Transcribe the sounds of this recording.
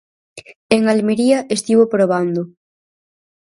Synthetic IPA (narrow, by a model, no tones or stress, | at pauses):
eŋalmeɾiɐʔest̪iβopɾoβ̞and̪ʊ